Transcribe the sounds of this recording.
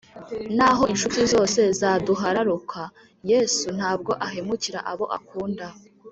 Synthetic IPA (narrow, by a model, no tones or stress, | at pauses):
naɦo̞inʃutizo̞ːse̞zaːduɦaɾaɾukʰa | jeːsun̥haːb̚ɡo̞ʔaɦe̞muciɾa̰ʔaβo̞ʔa̰kuːnda